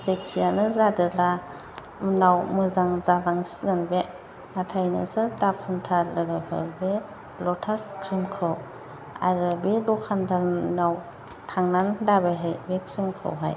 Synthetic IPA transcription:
zep̚tijanɯzadɯla | nawmɯzaŋzabaŋsiɡɯnbe | atʰajnɯ̰sɯɾdapʰɯntʰalɯɡɯhɯ̰ɾbe | lɔtʰaskʰɾimkʰɯw | a̰ɾɯbelɔkʰandaɾnaw | tʰaŋnandabeɦɯjbekʰɾimkʰɯ̰wɦa̰j

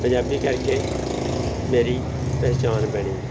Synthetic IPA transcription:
pəd͡ʒaːbikəɾke | meːɾi | pɛɦːt͡ʃaːnbəɽ̃iː

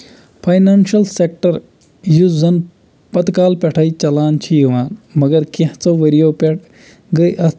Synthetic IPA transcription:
pʰɐjnaːnʃɐlsek̚ʈɐɾ | juzɐn | pɐt̪kaːlpeʈʰait͡ʃɐlaːnt͡ʃʰiʋaːnmɐɡɐɾkẽht͡sɐʋeɾijoːpeʈ | ɡɐjʔɐ

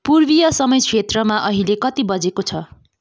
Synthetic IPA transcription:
purbijʌsʌmʌjt͡sʰet̪rʌmaʔʌɦilekʌt̪ibʌd͡zekot͡sʰʌ

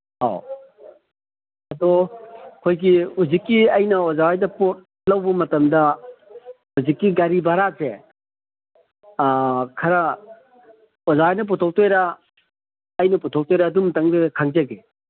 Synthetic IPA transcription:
ha̰ | ɐdɔkʰojɡiuzikːiɐjnɐɔzawajdɐpot̚ | lɐwbɐmɐtɐmdɐ | huzikːiɡaɾibaɾase | kʰaɾɐ | ɔzawajnɐp̬utʰɔk̚tojɾa | jnɐputʰɔk̚tɔjɾaːdumtɐŋdekʰaŋzɐɡe

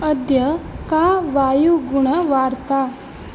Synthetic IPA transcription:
əd̪jɐkaʋajuɡuɳəʋaːɾt̪a

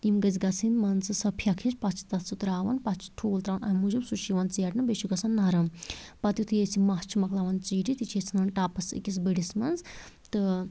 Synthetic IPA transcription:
imɡɐzɡɐt͡sʰind̪mɐnt͡sɨsɐpʰjakʰit͡spɐt͡ʃʰi̥t̪ɐt̪ʰt͡sut̪ɾaːʋɐnpɐt͡ʃʰi̥ʈʰuːlt̪ɾaːnʔɐ̰mud͡ʒubsut͡ʃʰiʋɐnt͡siɐʈnɨbet͡ʃʰiɡɐsɐnːɐɾɐmpɐt̪jut̪ʰɨjet͡sʰimɐt͡ʃʰimɐklaʋɐnt͡siːʈit̪it͡ʃʰet͡sʰnɐnʈaːpɐsḭkisbəɽismɐnzt̪ɨ

